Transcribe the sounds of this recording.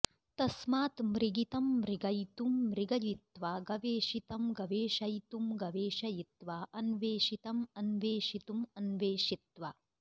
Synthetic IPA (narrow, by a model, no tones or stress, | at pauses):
t̪ɐsmaːt̪mɾiɡit̪ɐmːɾiɡɐjt̪umːɾiɡɐjit̪ʋaːɡɐʋeːʃit̪ɐmɡɐʋeːʃɐjt̪umɡɐʋeːʃɐjit̪ʋaːʔɐnʋeːʃit̪ɐmɐnʋeːʃit̪umɐnʋeːʂit̪ʋa